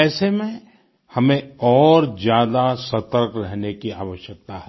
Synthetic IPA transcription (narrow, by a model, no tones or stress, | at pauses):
ɛːsemẽ | hɐmẽɔːɾd͡ʒjaːd̪asɐt̪əɾkɾɛɦnekiaːʋəʃjək̚t̪aɦɛ